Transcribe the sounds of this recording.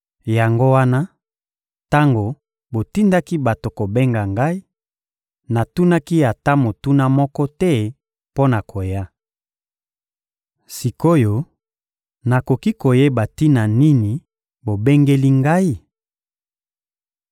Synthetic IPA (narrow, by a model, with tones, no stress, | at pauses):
ja˨ŋɡo˦wa˦na˦ | ta˦ŋɡo˨ | bo˨ti˦nda˦ki˦ba˨to˨ko˨be˦ŋɡa˨ŋɡa˦i˦ | na˨tu˦na˦ki˦a˨ta˦mo˨tu˦na˦mɔ˦kɔ˦tɛ˦ | po˦na˨kʰo˨ja˦ | si˨ko˦jo˦ | na˨ko˨ki˦ko˨je˦ba˨ti˦na˨ni˦ni˨ | bo˨be˦ŋɡe˦li˦ŋɡa˦i˦